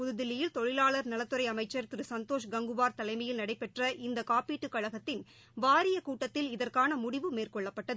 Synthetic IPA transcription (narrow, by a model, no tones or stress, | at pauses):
pʊðɯðɪlɪjɪlt̪ɔɻɪlaːɭɐɾnɐlɐt̪ːɯɾɐɪɐmɐɪt͡ʃːɐɾt̪ɪɾɯsɐnt̪oːʂɡɐŋɡɯʋaːɾt̪ɐlɐɪmɐjɪlnɐɽɐɪpːɛʈrɐʔɪnd̪ɐkaːpiːʈːɯkːɐɻɐɣɐt̪ːɪn | ʋaːɾɪjɐkuːʈːɐt̪ːɪlɪðɐrkaːnɐmʊɽɪʋɯmeːrkɔɭːɐpːɐʈːɐðɯ